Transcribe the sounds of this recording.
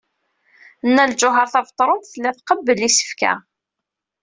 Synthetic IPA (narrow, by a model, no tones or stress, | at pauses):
nːæld͡ʒʊɦɑɾθɑvt̪ˤːɾˤont̪θəlːæθqəbːəlisə̥fkæ̰